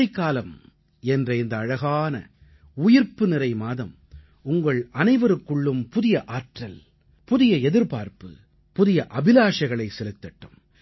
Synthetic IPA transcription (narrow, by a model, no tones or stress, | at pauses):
ɐɪkːaːlɐm | ɛndrɐɪnd̪ɐːɻɐɣaːnɐ̰ | ʊjɪɾpɯnɪrɐɪmaːðɐm | ʊŋɡɐɭʔɐnɐɪʋɐɾɯkːɯɭːɯmpʊðɪjɐʔaːʈrɐl | pʊðɪjɐɛðɪɾpaːɾpɯ̰ | pʊðɪjɐʔɐbɪlaːʂɐɣɐɭɐɪsɛlɯt̪ːɐʈːɯm